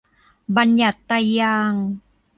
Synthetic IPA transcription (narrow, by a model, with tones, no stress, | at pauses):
ba˧nja˨˩t̪ːaː˧˩aː˧ŋ